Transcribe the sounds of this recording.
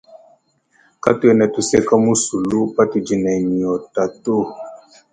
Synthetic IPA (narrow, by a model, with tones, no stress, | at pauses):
ka˦tu˦ɛ˦˨nɛ˨tu˨sɛ˦ka˦mu˦su˨lu˦pa˦ti˨d͡ʒi˨nɛ˨ɲi˨ɔ˨ta˨tu˦